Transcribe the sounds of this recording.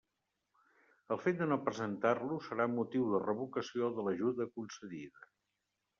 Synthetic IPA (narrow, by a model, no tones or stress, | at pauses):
əlˠfet̪̚d̪ənopɾəzənt̪arlusəɾaumːut̪iwðərəβukəsioðələʒuðəkunsəðiðə